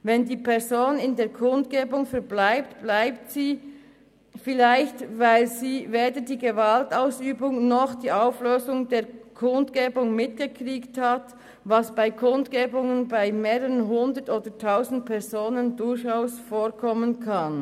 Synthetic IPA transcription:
vɛndiːpʰɛʁzoːnɪndeːɐkʰʊndɡeːbʊŋfɛʁblaɪp̚tb̥laɪptsiː | fɪlaɪçtvaɪlziːveːdədiːɡevaltaʊsyːbʊŋnɔχd̥iːʔaʊfløːzʊŋdeːɐkʰʊndɡ̥eːbʊŋmɪtɡ̥əkʁiːkthat | vɑsb̥aɪkʰʊndɡ̥eːbʊŋənbaɪmeːʁəʁənɦʊndətoːd̥ətʰaʊzn̩t̚pʰɛʁzoːnəndʊɾçaʊsfoːʁkʰɔmənkʰan

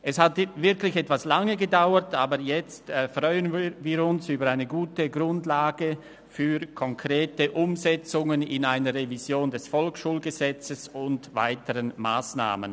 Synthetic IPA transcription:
ʔɛshatvɪɐklɪçɛtv̥aslaŋəɡədaʊətʰaːbəjɛt͡stːfʁɔʏənvviːɾʊnsyːbɐʁaɪnəɡuːtəɡʁʊndlaːɡə | fyːkʰɔŋkʁ̥eːtəʔʊmzɛt͡sʊŋənɪnaɪnəʁevizjoːndɛsfɔlkʃuːlɡəzɛt͡səsʊntva̰ɪtəʁənma̰ːsna̰ːmən

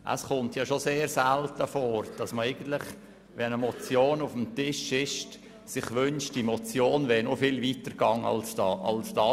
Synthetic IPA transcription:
ʔə̰sχʊntjɑʃoseːɾsɛltəfoːɾd̥ɑsməɛɪɡ̥ən̩tlɪχ | ʋɛnəmɔt͡sjoːnʊfəm̩tɪʃɪʃt | sɪχʋʏnʃtd̥imɔt͡sjoːnʋɛːnofɪlʋiːtəɾɡɑŋɑ̰lsɑ̰lsd̥ɑ

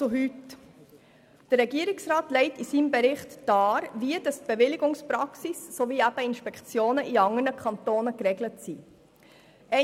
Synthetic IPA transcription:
t͡sʊɦyt | d̥ərɾɛɡiːɾɪksʁɑːtlɛɪtisiːmbeɾɪχtd̥ɑːɾviəd̥ɑstb̥eʋɪlɪɡʊŋspɾɑksisːoviːæb̥əɪnʃpɛkt͡sjoːnəʔiɑŋənəkχɑntoːnəkɾɛɡlətsiː | ʔɛ

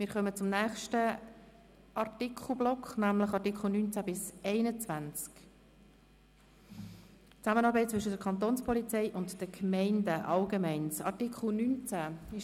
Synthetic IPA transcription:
mɪːɾχœmət͡sʊmnæːχʃtə | ʔɑrtikʰχl̩ˠblɔkχnæmləχɑɾtikχl̩ˠnyːnt͡sæbɪsɛɪnət͡svænt͡sk | t͡sæmənɑːɾbɛɪt̚t͡svʏʃədəɾkʰɑnt̪oːnspʰɔlit͡sɛɪʔʊntd̥əkʰmɛɪndəʔɑlɡemɛɪnsɑ̰ɾtikχl̩ˠnynt͡sæɪʃ

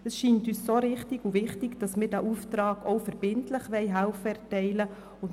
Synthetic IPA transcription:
ɛsʃiːntyːssoɾɪχtɪɡuvɪχtɪɡd̥ɑsmɪːdæːʔuftɾɑːɡɔʊfɛɾb̥ɪntlɪχʋɛɪɦælfəɛɾtɛɪlə | ʊn

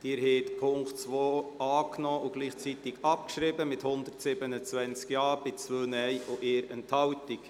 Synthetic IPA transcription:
d̥ɪːɾhɛːt̪pʰʊŋktt͡sʋoːɑːknɔːʔʊɡ̥liːχt͡sit̪ɪɡɑp̚kʃɾɪbəmɪt̪hʊnd̪əɾtsɪbənət͡svɛnt͡skjɑːb̥ɪt͡svøːnɛjoʔɪːɾɛ̰nthɑwtɪk

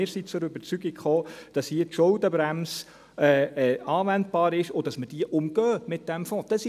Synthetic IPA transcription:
ɪːɾsit͡sʊɾøbəɾt͡syɡikχoːd̥ɑshiːətʃʊldəbɾæms | ɛːɛɑːʋænd̚b̥ɑːɾɪʃod̥ɑsməd̥iəʔʊmɡ̥œːmɪt̚d̥ɛmfɔ̃ːd̥ɑs

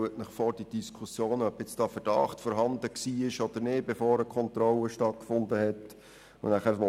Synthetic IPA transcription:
uətnəχfɔɾd̥id̥iskʰusjoːnœbjɪt͡sd̥ɑːfəɾd̥ɑ̰χtfɔːɾɦɑndəksiːɪʃɔd̥̪əɾnɪːd̚befoːɾəkʰɔnt̪ɾɔləʃtɑt̚kfʊnd̪əhɛt | ʊ̰næχæɾo

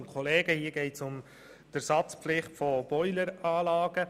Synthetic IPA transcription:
nkʰɔleːɡ̥əhiːəɡɛɪtsʊm | d̥æɾsɑt͡spflɪχtfɔb̥ɔʏləɾɑːlɑːɡ̥ə

